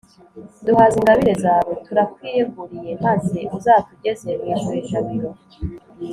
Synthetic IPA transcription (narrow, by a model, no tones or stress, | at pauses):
duhaziŋɡaβiɾe̞zaːβotuɾakwiːjeɡuɾije̞mazeuzaːtuɟe̞ze̞mwiʃuβiʃaβiɾo